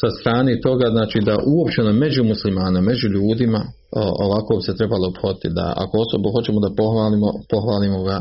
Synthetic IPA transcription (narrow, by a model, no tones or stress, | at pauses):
sast̪ɾaːnet̪o̞ɡaznaːt͡ʃiːd̪aʔuo̞pt͡ɕeoname̞d͡ʑumuslimaːname̞d͡ʑuʎuːd̪ima | o̞ʋako̞bise̞t̪ɾe̞balopxod̪it̪id̪a̰a̰koosobuxo̞t͡ɕe̞mod̪apo̞xʋaːlimopo̞xʋaːlimo̞ɡa